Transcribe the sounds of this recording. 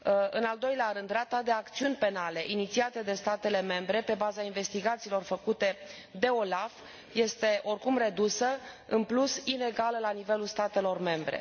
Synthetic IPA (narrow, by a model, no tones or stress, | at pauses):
ɨnald̪o̞jleaɾɨnd̪rat̪ad̪e̞ak̚t̪siunʲpe̞nale̞ʔinit̪siat̪əd̪e̞st̪at̪e̞le̞me̞mbɾe̞pe̞bazainve̞st̪iɡat̪siːlo̞rfəkut̪e̞ | d̪e̞o̞laf | je̞st̪e̞ʔo̞rkumre̞d̪usəɨnplusine̞ɡaləlanive̞lulst̪at̪e̞lo̞rme̞mbɾe̞̰